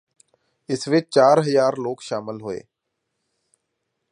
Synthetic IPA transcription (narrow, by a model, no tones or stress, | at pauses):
ɪsʋɪt͡ʃt͡ʃaːɾɦəzaːɾloːkʃaːmɪlɦʊḛː